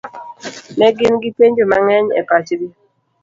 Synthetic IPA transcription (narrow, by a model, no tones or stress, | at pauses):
nɛɡɪnɡipeɲd͡ʒomaŋɛɲɛ̰pat͡ʃɾi